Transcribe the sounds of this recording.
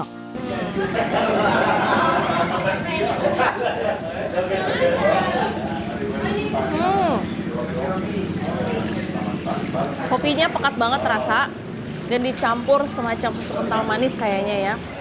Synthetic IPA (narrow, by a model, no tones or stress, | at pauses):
ʔ̩ | kopiɲapakat̪̚baŋət̪ɾasa | ɡandit͡ʃampʊrsəmat͡ʃampusukənt̪almanɪskajaɲaja